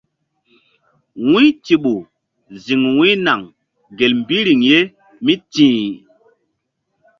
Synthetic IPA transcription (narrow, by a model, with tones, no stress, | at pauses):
wĩ˦ti˨ɓu˨ | zi˨ŋwĩ˦na˨ŋ | ɡe˨lm˨bi˦ɾi˨ŋje˦ | mi˦tĩː˨